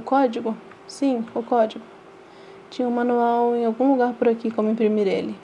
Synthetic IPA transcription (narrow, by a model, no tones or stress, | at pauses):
kɔd͡ʒiɡʊ | sĩʊkɔd͡ʒiɡʊ | t͡ʃĩɲɐ̃ũmɐ̃nuawẽj̃awɡũluɡaɾpʊɾakikõmʊĩpɾimiɾḛlɪ